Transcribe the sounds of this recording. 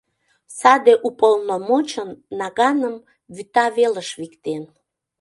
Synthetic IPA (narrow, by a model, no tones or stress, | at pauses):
sɑd̪eʔupolnomot͡ɕənːɑɣɑnəm | βyt̪ɑβeləʃβikt̪en